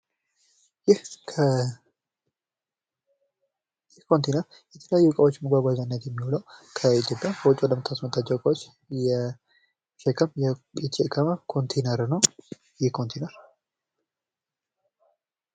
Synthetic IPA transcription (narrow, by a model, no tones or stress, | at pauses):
jɪhkʰə | jɛkʰo̞nt̪ʰenəɾ | jɛt̪ʰələjajːukʼawo̞t͡ʃːməɡʷaɡʷazanːət̪jɛmːiholəwkʰəit̪ʰjo̞pʼjakʰəwʊt͡ʃʼːwɔd̪əmɨt̪ʰːasmət̪ʰːat͡ʃːɛwkʼawot͡ʃː | jɛ | ʃɛkʰːəmjɛt͡ʃʼekʰamakʰo̞nt̪ʰenəɾnəw | jɛkʰont̪ʰenəɾ